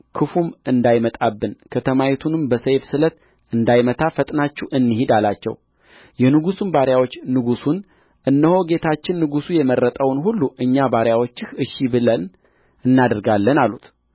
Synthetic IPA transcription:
kʰɨfumɨnd̪ajmət̪ʼabːɨnkʰət̪ʰəmajit̪ʰunɨmbəsəjfsɨlət̪ | ɨnd̪ajmət̪ʰafət̪ʼnat͡ʃːuʔɨnːɨhid̪alat͡ʃːɛ̰w | jɛnɨɡusunbaɾjawo̞t͡ʃːnɨɡusun | ʔɨnːəho̞ɡe̞t̪ʰat͡ʃːɪnːɨɡusujɛmərːət̪ʼəwnɦulːuʔɨɲːabaɾjawo̞t͡ʃːɪhɨʃibɨlən | ɨnːad̪əɾɡalːənalut̪

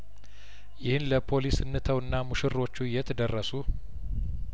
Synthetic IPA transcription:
jɪhɨnləpʰo̞lisɨnːɨt̪ʰəwɨnːamuʃɪro̞t͡ʃːujɛt̪ʰəd̪ərːəsu

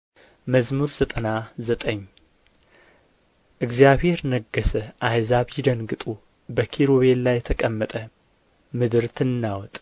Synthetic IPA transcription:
məzmuɾzət̪ʼənazət̪ʼəɲː | ʔɨɡzijaβhe̞ɾnəɡːəsəʔajzaβjid̪ənɡɨt̪ʼu | bəkʰiɾoβellajːɛt̪ʰəkʼəmːət̪ʼə | mɨd̪ɨɾt̪ʰɨnːawɔt̪ʼ

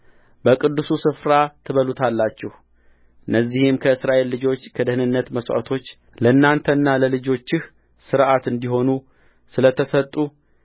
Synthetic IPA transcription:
bəkʼɨd̪ːɨsusɨfɾat̪ʰɨβəlut̪ʰalːat͡ʃːɛh | ɨnːəzːihɪmkʰəɨsɾaʔe̞lːɨd͡ʒo̞t͡ʃːkʰəd̪əhnɨnːət̪məsa̰t̪ʰo̞t͡ʃː | ləɨnːant̪ʰənːaləlɨd͡ʒo̞t͡ʃːɪh | sɨɾʔat̪ɨnd̪iɦo̞nu | sɨlət̪ʰəsət̪ʼːu

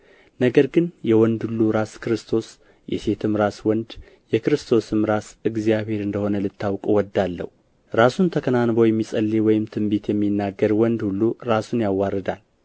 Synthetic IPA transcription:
nəɡəɾɡɨnjɛwɔnd̪hulːuɾaskɨɾɨst̪ʰo̞s | jɛ̰se̞t̪ʰɨmɾaswɔnd̪ | jɛkɨɾɨst̪ʰo̞sɨmɾasɨɡzijaβhe̞ɾɨnd̪əho̞nəlɨt̪ʰːawkʼuwɔd̪ːalːə̰hu | ɾasunt̪ʰəkʰənanbo̞jɛmːisʼəlːewɔjɪmt̪ʰɨmbet̪ʰjɛmːinːaɡəɾwɔnd̪hulːuɾasunjawːaɾəd̪al

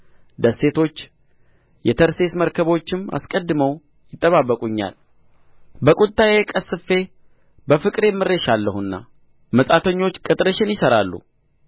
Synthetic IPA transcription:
d̪əsːe̞t̪ʰo̞t͡ʃː | jɛt̪ʰəɾse̞sməɾkʰəβo̞t͡ʃːɪma̰skʼəd̪ːɨməw | jɪt̪ʼːəβabːəkʼuɲːa̰l | bəkʼut̪ʼːajekʼəsːɨfːe̞ | bəfɨkʼɾjɛmːɨrːeʃalːəhunːa̰ | məsʼat̪ʰəɲːo̞t͡ʃːkʼɨt̪ʼɾəʃɪnjɪsəɾalːṵ

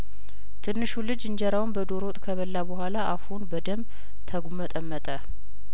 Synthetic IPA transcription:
t̪ʰɨnːɨʃulɨd͡ʒɨɲd͡ʒɛɾawnbəd̪oɾot̪ʼkʰəβəlːabəhʷalaʔafunbəd̪əm | t̪ʰəɡumət̪ʼəmːət̪ʼə

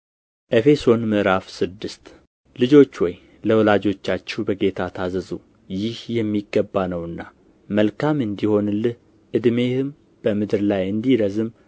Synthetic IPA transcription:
ʔefe̞so̞nmɨʔɾafsɨd̪ːɨst̪ | lɨd͡ʒo̞t͡ʃːwɔj | ləwlad͡ʒo̞t͡ʃːat͡ʃːɛbəɡe̞t̪ʰat̪ʰazəzu | jɪhjɛmːiɡːəbːanəwɨnːa | məlkʰamɨnd̪iho̞nlɨh | ʔɨd̪me̞hɨm | b̥əmɨd̪ɨɾlajɨnd̪iɾəzɨm

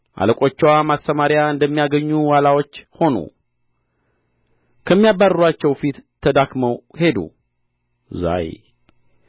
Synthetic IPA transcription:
ʔa̰ləkʼo̞t͡ʃːɛwamast̪əmaɾjaɨnd̪əmːijaɡəɲːuwalawo̞t͡ʃːho̞nṵ | kʰəmːijabːaruat͡ʃːɛwfit̪ʰːəd̪akməwhe̞d̪ṵ | za̰j

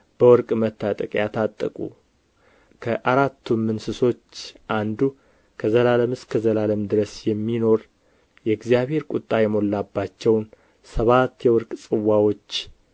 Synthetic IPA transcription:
b̥əwɔɾkʼmət̪ːat̪ʼəkʼjat̪ʰat̪ʼːəkʼṵ | kʰəʔaɾat̪ʰːumːɨnsɨso̞t͡ʃːʔand̪u | kʰəzəlaləmɨskʰəzəlaləmd̪ɨɾəsjɛmːino̞ɾ | jɛɡzijaβhe̞ɾkʼut̪ʼːajɛmo̞lːabːat͡ʃːɛwn | səβat̪ːjɛwɔɾkʼsʼɨwːawo̞t͡ʃː

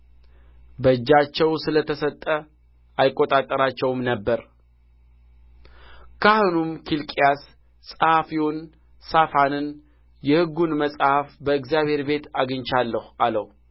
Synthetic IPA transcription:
bəd͡ʒːat͡ʃːɛwsɨlət̪ʰəsət̪ʼːə | ajkʼːot̪ʼat̪ʼːəɾat͡ʃːɛwmnəbːəɾ | kʰahonumkʰilkʼijas | sʼəhafiwun | safanɨn | jɛhɨɡːunməsʼhafbəɨkzijaβhe̞ɾbe̞t̪aɡɨɲt͡ʃalːəhualəh

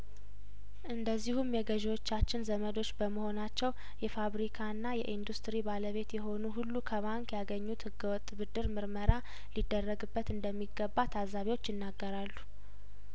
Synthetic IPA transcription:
ʔɨnd̪əzːihumjɛɡəʒwot͡ʃːat͡ʃːɪnzəməd̪o̞t͡ʃːbəməho̞nat͡ʃːɛw | jɛfaβɾikʰanːajɛʔind̪ust̪ɾibaləβe̞t̪jɛɦo̞nuɦulːukʰəβaŋkjaɡəɲːut̪hɨɡːəwɔt̪ʼːbɨd̪ɨɾmɨɾməɾa | lid̪ːərːəɡɨbːət̪ɨnd̪əmːiɡəbːat̪ʰazaβiwo̞t͡ʃːjɪnːaɡːəɾalːu

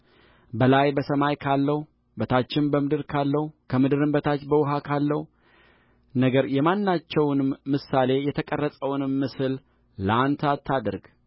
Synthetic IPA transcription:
bəlajbəsəmajkʰalːəhu | bət̪ʰat͡ʃːɪnbəmɨd̪ɨɾkʰalːəhukʰəmɨd̪ɨɾɨmbət̪ʰat͡ʃːbəwʊɦakʰalːəhu | nəɡəɾjɛmanːat͡ʃːɛwnɨmmːɨsːale̞jɛt̪ʰəkʼərːəsʼəwnɨmːɨsɨlː | əant̪ʰat̪ʰːad̪ɨɾɡ

